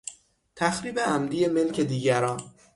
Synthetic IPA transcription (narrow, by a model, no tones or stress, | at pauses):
t̪ʰæxɾiːbe̞æmd̪ije̞me̞lcʰe̞d̪iːɟæɾɒːn